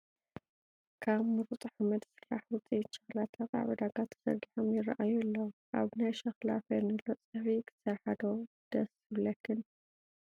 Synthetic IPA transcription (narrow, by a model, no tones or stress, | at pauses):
kʰaβmɨɾut̪ʼuħamɐd̪sɨɾa̰ħwʊt͡sʼiʃɐxlat̪ʰɐkʼa̰βʕud̪aɡat̪ʰɐ̥sɐ̰ɾɡiħomjɪraʔajulːoʔa̰βnajʃɐxla̰fɐnɨlot͡sʼɨfikʰɨ̥sɐɾħad̪o | d̪̥ɐs | ɨβlɐkʰːɨn